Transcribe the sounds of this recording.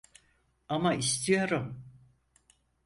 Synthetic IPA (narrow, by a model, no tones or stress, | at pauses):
amaist̪ʰijo̞ɾum